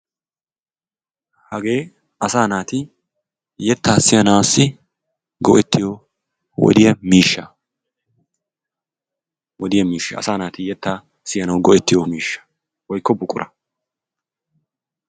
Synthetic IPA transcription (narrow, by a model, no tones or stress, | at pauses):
hɐɡe̞ː | ɐsaːnaːt̪ɪ | jɛt̪ːaːsɪjɐnawsːɪ | ɡɔʔɛt̪ːɪjɔ | wɔ̰d̪ɪjɐmiːʃːɐ | wɔd̪ɪjɐmiːʃːɐɐ̰saːnaːt̪ɪjɛt̪ːaː | sɪjɐnɐwɡɔʔɛt̪ːɪjɔmiːʃːɐ̥ | wɔjkːɔbʊkʼːʊɾʔɐ